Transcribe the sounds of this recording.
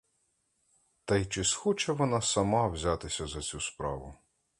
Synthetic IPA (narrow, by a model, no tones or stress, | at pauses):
t̪ɛjt͡ʃɪsxɔt͡ʃɛʋɔnɑsɐmɑwzʲat̪ɪsʲɐzɐt͡sʲuspɾɑʋʊ